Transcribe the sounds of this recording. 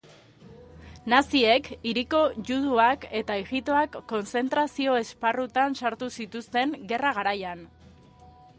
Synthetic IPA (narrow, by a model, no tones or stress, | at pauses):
nasie̞kiɾiko̞ʝuðuake̞t̪aeɣit̪o̞akːo̞nt͡se̞nt̪ɾasio̞e̞sparut̪ansaɾt̪usit̪ust̪e̞ŋɡe̞raɣaɾajan